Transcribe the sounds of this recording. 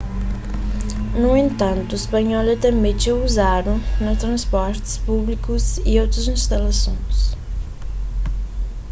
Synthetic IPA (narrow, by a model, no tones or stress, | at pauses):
nuẽnt̪ɐ̃nt̪uispɐɲɔlɛt̪ɛmet͡ʃewuzaɾũnɐt̪ɾɐ̃spɔɾt̪ɪ̥spuβlikuziowt̪ɾɐzĩst̪ɐlɐsõj̃s